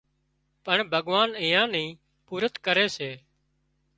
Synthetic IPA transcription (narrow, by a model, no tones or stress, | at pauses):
pəɳbʱəɠʋaːnɪ̃ːãːnĩː | puːɾət̪kəɾeːseː